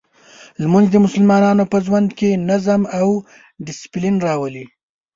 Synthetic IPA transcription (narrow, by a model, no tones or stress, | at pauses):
lmanzd̪əmʊsəlmɑnɑnopəʒwand̪kenazamaw | ɖɪsɪ̥plinɾɑwəli